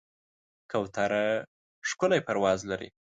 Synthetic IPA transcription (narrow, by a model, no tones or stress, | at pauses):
kawt̪aɾa | ʂkʊlajpaɾwɑzlaɾḭ